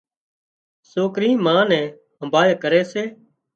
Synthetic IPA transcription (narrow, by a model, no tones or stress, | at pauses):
soːkɾĩːmãːnɛ̃ː | ɦəmbʱaːjkəɾɛːseː